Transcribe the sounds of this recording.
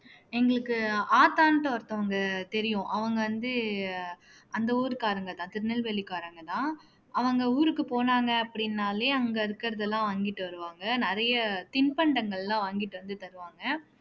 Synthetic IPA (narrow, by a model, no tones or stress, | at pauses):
ɛŋɡɐɭɯkːɯaːt̪aːnʈːɐɐɾt̪ːɐʋɐŋɡɐt̪ɛɾɪjʊ̃ʔɐʋɐŋɡɐʋɐnd̪ɯ | ʔɐnd̪ɐuːɾɯkaːɾɐŋɡɐt̪ãːt̪ɪɾɯnɐlʋɛɭːɪkaːɾɐŋɡɐt̪ãː | ʔɐʋɐŋɡɐuːɾɯkːɯpoːnaːŋɡɐɐpːɐɽɪnːaːleːɐŋɡɐɪɾɯkːɪɾɐðɛlːãːʋaːŋɡɪʈːɯʋɐɾɯʋaːŋɡɐnɪɾɐjɐt̪ɪnpɐɳɖɐŋɡɐɭɛlãːʋaːŋɡɪʈːɯʋɐnd̪ɯt̪ɐɾɯʋaːŋɡɐ